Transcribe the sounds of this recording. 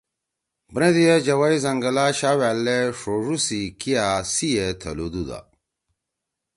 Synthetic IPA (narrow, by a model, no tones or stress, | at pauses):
bɾẽd̪ijed͡ʑɐwajzɐŋɡɐlaɕawælːeʂoʐusikijasijet̪ʰɐ̰lud̪ud̪a̰